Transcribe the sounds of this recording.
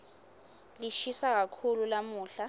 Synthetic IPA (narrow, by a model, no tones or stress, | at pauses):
liʃisak̬akʰululamuːɬa